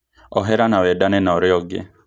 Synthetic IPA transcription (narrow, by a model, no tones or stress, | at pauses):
ɔɦɛɾanawɛdanɛnaɔɾɪɔɡɛ̰